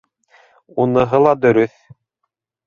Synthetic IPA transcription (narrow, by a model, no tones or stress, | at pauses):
unɤ̆ɦɤlˠɑd̪ɵ̆ɾɵθ